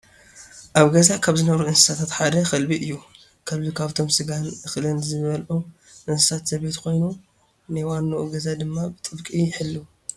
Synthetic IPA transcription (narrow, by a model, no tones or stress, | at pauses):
ʔaβɡɐzakʰaβzɨnɐβɾuʔɨnsɨ̥sat̪ʰat̪ħad̪ɐxɐlbiʔɨjːu | kʰɐlbikʰaβt̪ʰo̞msɨɡanɨxlɨnzɨβɐlʔu | ʔɨnsɨ̥sat̪z̥ɐβe̞t̪kʰo̞jnu | najwanːɐʔuɡɐzad̪ɨmːabɨt̪ʼɨbkʼijɪħɨlːu